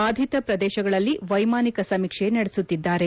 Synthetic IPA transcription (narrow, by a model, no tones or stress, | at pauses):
aːd̪ʱit̪ɐpɾɐd̪ɛːʃɐɡɐɭɐlːiʋɐjmaːnikɐsɐmikʂenɐɽesut̪ːid̪ːaːɾe̞